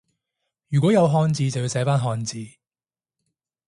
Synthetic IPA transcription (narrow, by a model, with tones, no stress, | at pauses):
jyː˨˩kʷɔː˨˥jɐ˨˧wɦɔː˧nt͡siː˧t͡sɐ˨wji˧sɛː˨˥faː˥nɦɔː˧nt͡siː˧